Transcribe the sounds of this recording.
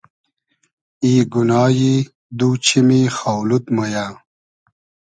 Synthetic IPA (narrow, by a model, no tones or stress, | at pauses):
iːɡunɑːji | d̪uːt͡ɕʰimixawlut̪mɐjaː